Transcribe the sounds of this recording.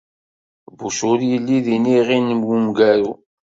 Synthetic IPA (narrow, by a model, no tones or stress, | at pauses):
buʃʊɾjəlːiðiniʁinmwumɡæɾu